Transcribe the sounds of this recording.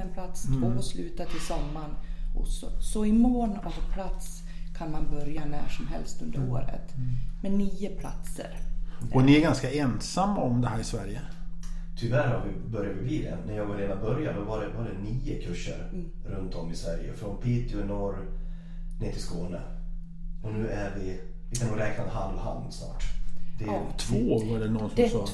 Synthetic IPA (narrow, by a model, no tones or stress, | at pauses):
ɛnpʰlat̪st̪oɔslʉːt̪at̪ʰɪlsɔmːanʔɔsɔsɔɪmoːnɔvpʰlat̪s | kʰanmanbœɾjanæːʂɔmɦɛ̰lst̪ɵnd̪əɾo̰ːɾə̰t̪mɛniːəpʰla̰t̪sə̰ɾɔnɪæɾɡanskaɛnsamːaɔmd̪ɛɦæːɾɪsvæɾjət̪ʰʏvæːɾhaɾvɪbœɾjavɪbiːd̪ɛ̰næɾjɑːɡaɾeːd̪abœɾjanmɛvaɾɛvaɖ̪ɛniːʊkʰɵʂːə̰ɾɾɵnt̪ɔmːɪsvæɾjə̰fɾɔnpʰiːt̪ɪʊnɔɾ | nɪːt̪ʰɪlskoːnə | ɔnʉ̟ːæɾvɪ | vɪkʰanɡoɾɛːknad̪ɦalvha̰nnsnɑ̰ːʈd̪̥ɛt̪ʰvoːvaɖɛnɔssɔ